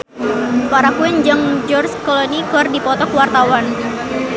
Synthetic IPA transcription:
paɾakuɛnd͡ʒəŋd͡ʒɔrskolonikardipɔt̪ɔkwart̪awan

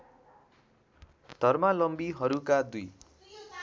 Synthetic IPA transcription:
d̪̥ʱʌrmalʌmbiɦʌɾukad̪uj

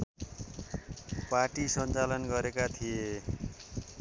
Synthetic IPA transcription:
paʈisʌnt͡salʌnɡʌɾekat̪ʰije

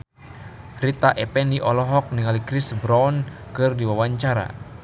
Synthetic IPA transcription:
rit̪aʔɛpɛniʔɔlɔɦɔk̚niŋalikɾisbɾawnkɨrdiwawaɲt͡ʃaɾa̰

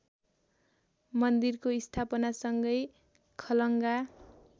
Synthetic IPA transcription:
mʌnd̪irkoist̪ʰapʌnasʌŋɡʌj | kʰʌlʌŋɡa

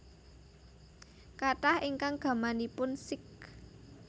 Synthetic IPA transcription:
kaʈahiŋkaŋɡ̥ä̤manipʊnsɪk̚

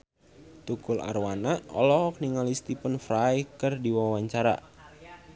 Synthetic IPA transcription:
t̪ukula̰rwanaɔ̰lɔɦɔk̚niŋalist̪ipənfɾajkɨrdiwawaɲt͡ʃaɾa̰

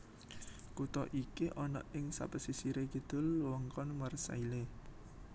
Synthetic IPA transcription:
kut̪ɔʔikiʔɔnɔ̰ʔɪŋsa̰pəsisiɾeɡəd̪̥ʊ̤lwɔŋkɔnmərsa̰ile

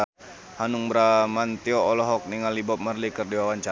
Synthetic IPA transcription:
hanuŋbɾamant̪ioɔlɔɦɔk̚niŋalibɔp̚mərlikərdiwawaɲt͡ʃa

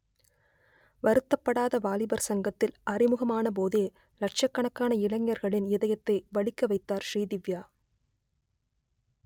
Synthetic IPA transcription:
ʋɐɾɯt̪ːɐpːɐɽaːðɐʋaːlɪbɐɾsɐŋɡɐt̪ːɪlɐrɪmɯɣɐmaːnɐp̬oːðeː | lɐʈ̚t͡ʃɐkːɐɳɐkːaːnɐɪɭɐŋːɐɾɣɐɭɪnɪðɐjɐt̪ːɐɪʋɐɭɪkːɐʋɐɪt̪ːaːɾʃriːðɪʋjaː

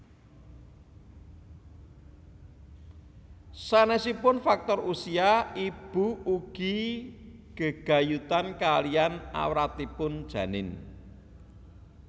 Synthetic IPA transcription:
sanɛsipʊnfak̚t̪ɔrusiaib̥ṳuɡ̥i̤ | ɡ̥ə̤ɡ̥a̤jut̪ankalijana̰wɾat̪ipʊnd̥ʒ̥ä̤nɪn

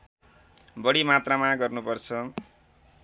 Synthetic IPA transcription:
bʌɽimat̪ramãɡʌrnupʌrt͡sʰʌ

